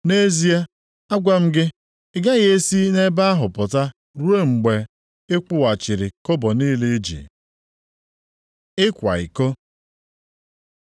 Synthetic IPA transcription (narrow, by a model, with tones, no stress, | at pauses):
ne˦zi˦a˦ | a˦ɡʷa˦m̩˦ɡɪ˦ | ɪ˦ɡa˦ɣe˦e˦si˦ne˦ba˦a˦ɦʊ˨pʊ˨ta˦ | ɾu˦e˦ŋ͡m̩˨ɡ͡be˨ | ɪ˦kʊ˦wa˨t͡ʃɪ˨ɾɪ˨kʊ˦bɔ˨ni˦le˦d͡ʒḭ˨ | ɪ˦kʷa̰˨ḭ˨ko˦